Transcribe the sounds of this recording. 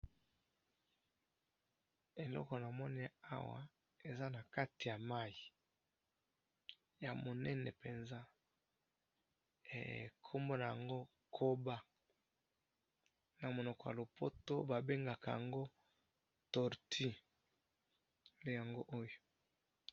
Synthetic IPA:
e˨lɔ̰˦kɔ˨na˨mɔ˦ni˦a̰˦wa̰˨ | e˨za˦na˨ka˦ti˨ja˨ma˦ji˨ | ja˨mo˨nɛ˦nɛ˨pe˨nza˦ | ḛ˨kʰo˦mbo˦na˨ja˨ŋɡo˦ | kʰo˦ba˦ | na˨mo˨nɔ˨kɔ˨ja̰˨lo˨po˦to˦ba˨be˦ŋɡa˨ka˨ja̰˨ŋɡo˦ | tɔ˨ʁti˦ | le˦ja˨ŋɡo˦ʔo˦jo˨

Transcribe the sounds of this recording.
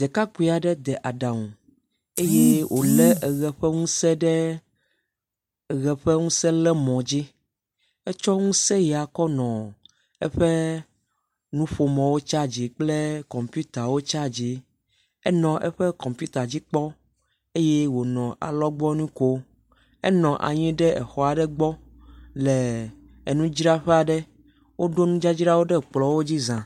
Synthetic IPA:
d̪ɛ˨ka˦ku˨˦i˨a˨ɖɛ˦d̪ɛ˨ʔa˨ɖa˨ŋũ˨ | e˦je˦wʔo˨lɛ˦ɛ˨ɣɛ˨ɸɛ˦ŋũ˦sɛ˦ɖɛ˦ | ɛ˨ɣɛ˨ɸɛ˦ŋũ˦sɛ˦lɛ˦mɔ̃˨d͡ʑi˦ | ɛ˦t͡ʃɔ˦ŋũ˦sɛ˦jɛ˨a˨kɔ˦nɔ̃˨ | ɛ˦ɸɛ˦ | nũ˦ɸo˨mɔ̃˨wo˦t͡ʃa˦d͡ʑi˨k͡ple˦kɔ̃˨mpu˦t̪a˨wo˦t͡ʃa˦d͡ʑi˨ | ɛ˦nɔ̃˨ʔɛ˦ɸe˦kɔ̃˨mpju˦t̪a˨d͡ʑi˦k͡pɔ˦ | e˦je˦wo˨nɔ̃˨a̰˨lɔ˦ɡ͡bɔ˦nũ˦ko˦ | ɛ˦nɔ̃˨ʔa̰˨ɲĩ˦ɖɛ˦ʔɛ˨xɔ˨a˨ɖɛ˦ɡ͡bɔ˦ | le˨ | e˨nũ˦d͡ʒɾa˦ɸɛ˦a˨ɖɛ˦ | wo˦ɖo˦nũ˦d͡ʒa˦d͡ʑi˦ɾa˦wo˦ɖɛ˦k͡plɔ˨˦wo˦d͡ʑi˦zã˨

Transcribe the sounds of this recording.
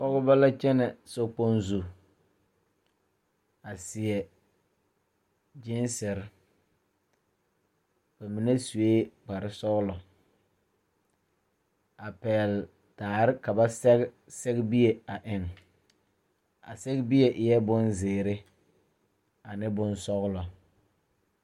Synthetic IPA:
pɔ˦ɣʊ˦ba˦la˦t͡ʃɛ˦nɛ˨so˦k͡po˦nzu˨ | a˨sɪ˨ɛ˨ | d͡ʒi˦nsɪ˨ɾ | b̥a˨mi˨ne˦su˨weː˦k͡pa˨ɾɪ˦sɔ˦ɣlɔ˨ | a˨pɛː˨l | taː˨ɾɪ˦ka˨ba˦sɛ˦ɣ | sɛ˦ɡbi˦e˨a˨ʔɪ˨ŋ | a̰˨sɛ˦ɡbi˦e˨ʔɪ˨jɛ˦bʊ˦nzɪː˨ɾɪ˦ | a˨nɪ˦bʊ˦nsɔ˦ɣlɔ˨

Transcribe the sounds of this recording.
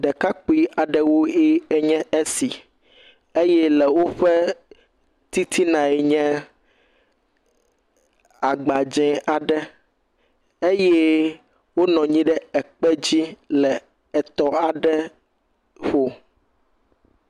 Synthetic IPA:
ɖɛ˨ka˦k͡pi˦a˨ɖɛ˦wo˦e˦ɛ˦ɲɛ̃˦e˦si˨ | e˦jɛ˦lɛ˨wo˦ɸɛ˦ | t̪i˦t̪ʰi˦nã˨ɛ˨ɲɛ̃˦ | a˨ɡ͡ba˨d͡ʒɛ̃˨˦ʔa˨ɖɛ˦ | e˦jɛ˦ | wo˦nɔ̃˨ɲĩ˦ɖɛ˦ɛ˨k͡pɛ˦d͡ʑi˦lɛ˨ | ɛ˨t̪ɔ˦a˨ɖɛ˦ | ɸo˦

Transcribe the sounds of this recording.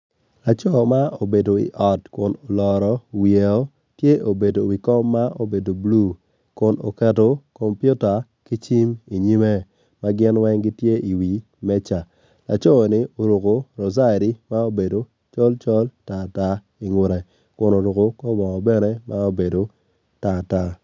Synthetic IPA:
la˨t͡ʃɔ˦˨ma˦o˨be˨do˨ḭ˨ʔɔ˨tkʊ˨no˨lɔ˨ɾɔ˨wje˨o˦ | tje˦ʔo˨be˨do˨wi˨kɔ˦mːa˦o˦be˨do˨blu˦˨ | kʊ˨no̰˨kɛ˨to˨ko˨mpju˦ta˨ | ki˦t͡ʃi˦mi˨ɲi˦me˦ | ma˦ɡɪ˦nwɛ˦ŋɡi˦tje˦i˨wi˨ | mɛ˦t͡ʃa˨ | la̰˨t͡ʃo˦˨nɪ˦o˨ɾu˨ko˨ɾo˨za˦˨ɾi˦ma˦o˦be˨do˨ | t͡ʃɔ˦lt͡ʃɔ˦lta˨ta˦ | i˨ŋʊ˨ɾɛ˨ | kʊ˨no˨ɾu˨ko˨ko˦mɔ˨ŋɔ˨bɛ˦ne˦ma˦o˦be˨do˨ | ta˨ta˦

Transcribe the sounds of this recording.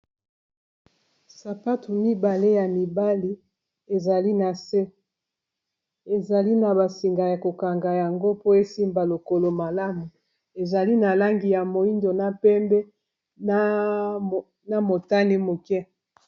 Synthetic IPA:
sa˨pa˦tu˨mi˦ba˨le˦ja˨mi˨ba˦li˦ | e˨za˨li˦na˨se˦ | e˨za˨li˦na˨ba˨si˨ŋɡa˨ja˨ko˨ka˨ŋɡa˨ja˨ŋɡo˦po˦e˦si˦mba˨lo˨ko˦lo˨ma˨la˦mu˨ | e˨za˨li˦na˨la˦ŋɡi˨ja˨mo˨i˦ndo˨na˦pɛ˦mbɛ˦ | na˨mo˨ta˦ni˦mo˨kɛ˦

